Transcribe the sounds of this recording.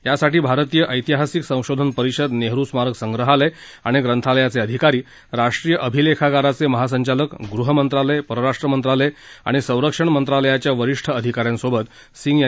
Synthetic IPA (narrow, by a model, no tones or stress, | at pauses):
jasaʈiːbʱaɾt̪ijəʔəjt̪iɦasiksə̃w̃ɕod̪ʱənpəɾiɕəd̪neɦɾusmaɾəksəŋɡɾəɦaləj | a̰ɽ̃iɡɾənt̪ʰaləjat͡seəd̪ʱikaɾiː | ɾaʂʈɾiːjəʔəbʱilekʰaɡaɾat͡seməɦas̬əɲt͡ɕaləkɡɾuɦəmənt̪ɾaləjpəɾəɾaʂʈɾəmənt̪ɾaləja̰ɽ̃isə̃w̃ɾəkʂəɳmənt̪ɾaləjat͡ɕjaʋəɾiʂʈʰəəd̪ʱikaɾjãnsobət̪ | siŋɡja